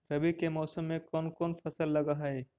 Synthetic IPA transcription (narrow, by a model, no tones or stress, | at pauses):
ɾɐbikemɔːsəmːẽkɔːnkɔːnfɐsəlːɐɡaɦɐeː